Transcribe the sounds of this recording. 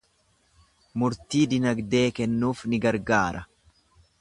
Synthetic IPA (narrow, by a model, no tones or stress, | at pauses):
mʊɾt̪iːd̪ɪnɐɡd̪e̞ːkɛnːuːfnɪɡɐɾɡaːɾʔɐ